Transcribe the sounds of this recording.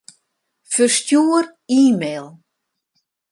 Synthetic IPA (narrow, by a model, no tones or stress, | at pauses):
fərstjuər | iːmeːlˠ